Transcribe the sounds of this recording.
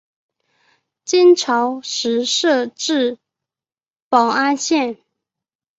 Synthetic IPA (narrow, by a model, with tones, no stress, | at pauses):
t͡ɕi˥nʈ͡ʂʰɑ˧˥˦ʊʂɻ̩˧˥ʂɤ˥˧ʈ͡ʂɻ̩˥˩ | pɑ˨˩ʊa˥nɕjɛ˥˨n